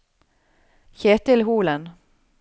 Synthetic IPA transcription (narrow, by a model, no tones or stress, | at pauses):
çeːt̪ɪlɦuːlən